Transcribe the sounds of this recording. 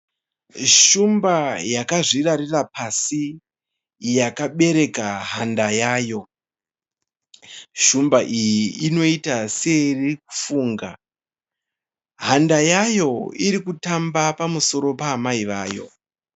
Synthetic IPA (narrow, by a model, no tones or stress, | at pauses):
ʃumbajakaʐiraɾirapʰasi | jakaɓe̞ɾe̞kaɦandajaːjo̞ | ʃumbaʔijiːno̞itaserik̚u̥fuːŋɡa̰ | ɦandajajo̞iɾikutambapamuso̞ɾo̞paːmaiʋaːjo̞̰